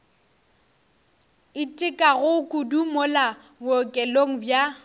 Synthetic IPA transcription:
ɪtʼɪkʼaɣʊkʼʊdumʊla | ŋokʼɛloŋ̩bja

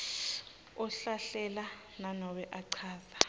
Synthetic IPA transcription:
ɔɬaɬɛla | nanɔwɛʔaǀʰaːðḁ

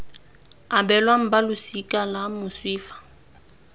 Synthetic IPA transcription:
abɛlwam̩balʊsikʼalamʊswiːfḁ

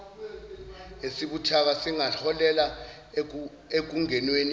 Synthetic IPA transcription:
esiɓutʰak̬asiŋaɬɔlɛla | ek̬uŋɛnwen

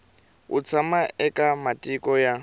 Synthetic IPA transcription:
ʊ̰t͡sʰamaɛkʼamatʼikʼɔja

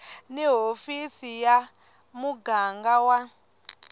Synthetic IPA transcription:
niɦofisija | muɡaŋɡawa

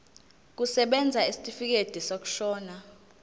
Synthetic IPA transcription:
k̬ʼusɛɓɛnd͡zʱaisi̥tʼifik̬ed̥ʱisok̬u̥ʃɔːna

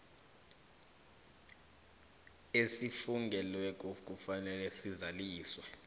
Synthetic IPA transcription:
esifuŋɡʱɛlwɛk̬ʼok̬ʼufanɛlɛsizaliːswɛ

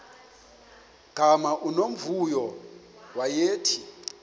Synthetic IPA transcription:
ɡ̥ʱamaʔunom̩vujɔ | wajeːtʰi

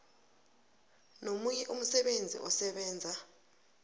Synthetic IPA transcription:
nomujɛʔum̩sɛɓend͡zʱḭʔɔsɛɓɛːnd͡zʱa

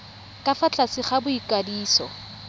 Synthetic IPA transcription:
kʼafat͡ɬʼasɪχabʊikʼadiːsɔ

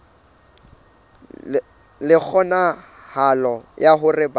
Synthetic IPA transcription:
lɪk͡xʰɔna | halɔjaɦʊrɪba

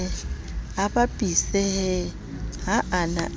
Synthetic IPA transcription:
abapʼisɛɦɛ | ɦaʔana̰

